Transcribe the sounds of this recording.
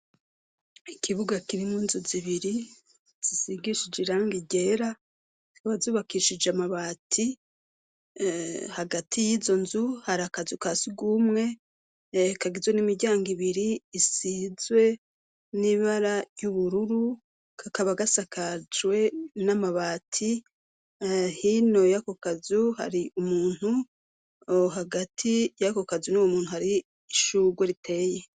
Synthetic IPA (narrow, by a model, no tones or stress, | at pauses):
ikʰiβuɡakiɾimunzuziβiɾi | z̥isiɡiʃid͡ʒiɾaːŋɡiɟe̞ːɾa | z̥ikaβazuːβakiʃid͡ʒamaβaːtʰi | haɡatʰijiːzo̞nzuhaɾakazukasiɡumŋe̞ | kaɡizwe̞nimiɟaːŋɡiβiɾiːsizwe̞ | niβaɾajuβuɾuɾu | kʰakaβaɡasakʰad͡ʒwe̞namaβaːtʰi | hino̞jako̞kazuha̰ɾiʔumuːn̥hu | ɦaɡatʰijako̞kazunuwomuːn̥uhaɾiː | ʃuɡweɾitʰe̞ːje̞